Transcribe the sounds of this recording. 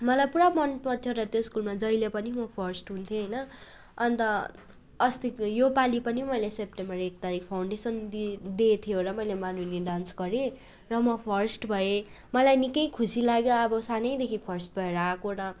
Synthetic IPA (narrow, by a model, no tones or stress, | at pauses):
mʌlajpuɾamʌnpʌrt̪ʰjoɾʌt̪joskulmad͡zʌjlepʌnimʌpʰʌrsʈɦunt̪ʰjoɦʌjnʌ | ʌnt̪ʌ | ʌst̪ijopalipʌnimʌjlesep̚ʈembʌrekt̪aɾikʰpʰawɳɖesʌnd̪it̪ʰjooɾʌmʌjlemanuneɖansɡʌɾe | rʌmʌpʰʌrsʈbʱʌe | mʌlajnikʌjkʰusilaɡjoʌbʌsanʌjd̪ekʰipʰʌrsʈ̚bʱʌeɾʌakoɾʌ